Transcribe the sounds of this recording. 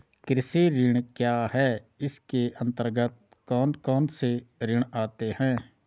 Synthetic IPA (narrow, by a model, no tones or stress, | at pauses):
kɾɪsiɾɪɽ̃kjaːɦɛːɪskeʔə̃nt̪əɾɡət̪̚ | kɔːnkɔːnseɾɪɳaːt̪eɦɛ̃ː